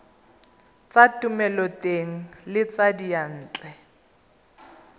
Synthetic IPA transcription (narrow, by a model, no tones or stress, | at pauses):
t͡satʊmɛlɔteŋ̩lɪt͡sadijan̩ːt͡ɬʼɛ